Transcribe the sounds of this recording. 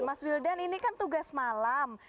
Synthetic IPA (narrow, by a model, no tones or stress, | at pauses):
maswildaninikant̪uɡasmalam